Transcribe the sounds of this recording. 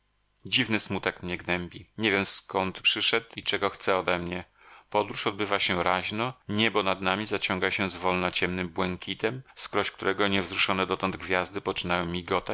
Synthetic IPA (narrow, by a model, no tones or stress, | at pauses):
d͡ʑivnɘsmut̪ɛkmɲɛɡnɛmbʲiɲɛvʲjɛmskɔnt̪pʂɘʂɛt̪it͡ʂɛɡɔxt̪sɛɔd̪ɛmɲɛ | pɔd̪ɾuʂɔd̪̚bɘvaɕɛɾaʑnɔɲɛbɔnad̪namʲizat͡ɕɔŋɡaɕɛzvɔlnat͡ɕɛmnɘmbwɛŋkʲit̪ɛmskɾɔɕkt̪uɾɛɡɔɲɛvzɾuʂɔnɛd̪ɔt̪ɔnd̪ɡvʲjazd̪ɘpɔt͡ʂɘ̥najɛ̃mːʲiɡɔt̪a